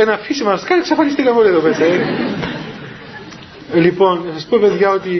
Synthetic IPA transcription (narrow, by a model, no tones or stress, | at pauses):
enɐfisimɐsɐskɐneksɐfɐnist̪ikɐpolieðopesɐe | lipo̞nnɐsɐspope̞ðʝɐo̞t̪i